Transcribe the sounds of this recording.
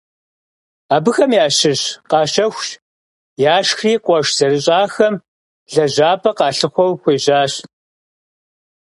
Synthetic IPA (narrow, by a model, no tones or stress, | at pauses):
aːbɨxɐmjaːɕɪɕqɑːɕɐxʷʃ | jaːʃxriːqʷɔʃz̥ɐɾɨɕʼaːxɐm | ɮɐʑaːpʰɐqɑːɬɨχʷɔwxʷeːʑaːɕ